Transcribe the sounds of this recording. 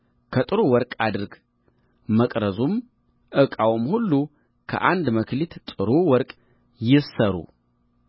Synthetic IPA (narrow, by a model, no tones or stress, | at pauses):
kʰət̪ʼɨɾuwɔɾkʼad̪ɨɾɡ | məkʼɾəzum | ʔɨkʼawmhulːu | kʰə̰ʔand̪məkʰlit̪t̪ʼɨɾuwɔɾkʼ | jɪsəɾṵ